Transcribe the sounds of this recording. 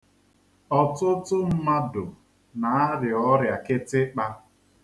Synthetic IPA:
ɔ˨tʊ˦tʊ˦m̩˦ma˦dʊ˨ | na˨a˦ɾɪ˨ɔ˦ɾja˨kɪ˦tɪ˦k͡pa˦

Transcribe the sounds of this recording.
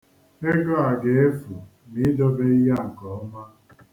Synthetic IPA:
e˦ɡɔ˦a˨ɡe˨e˦fu˨ | ni˦dɔ˦be˦i˦ɦa˦˨ŋ̩˨kɔ˨ɔ˦ma˦

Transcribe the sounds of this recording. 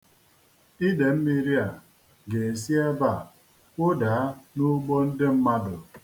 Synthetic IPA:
i˦de˨m̩˦mi˦ɾi˦a˨ | ɡe˨e˨s̬i˦e˦ba˦˨ | kʷo˦daː˨˦nu˦ɡ͡bɔ˦n̩˦de˦m̩˦ma˦dʊ˨

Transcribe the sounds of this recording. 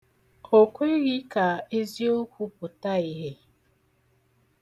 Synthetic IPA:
o˨kʷe˦ɣi˦ka˨e˦zi˦o˦kʷu˦pʊ˨ta˦i˦ɦe˦

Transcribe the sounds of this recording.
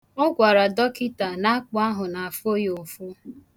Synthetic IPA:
ʊ˦ɡʷa˨ɾa˨dɔ˦kɪ˦ta˨na˦a˦k͡pʊ˨a˦ɦʊ˨na˨a˨fo˦jo˨fʊ˦

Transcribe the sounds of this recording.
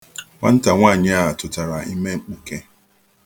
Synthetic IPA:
ŋʷa̰˦n̩˦ta˨ŋʷa˦˨ɲɪ˦a˦a˨tʊ˨ta˨ɾa˨i˦me˦ŋ͡m̩˨k͡pu˨ke˦

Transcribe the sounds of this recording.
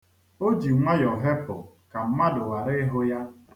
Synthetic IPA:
o˦d͡ʒi˨˦ŋʷa˦jɔ˨ɦe˦pʊ̰˨ | ka˨m̩˦ma˦dʊ˨wa˨ɾɪ˦ɪ˦ɦʊ˦ja˦

